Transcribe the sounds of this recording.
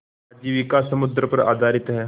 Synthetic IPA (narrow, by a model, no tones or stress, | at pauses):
d͡ʒiːʋikasəmud̪ɾəpəɾa̰ːd̪ʱaɾit̪ɦɛ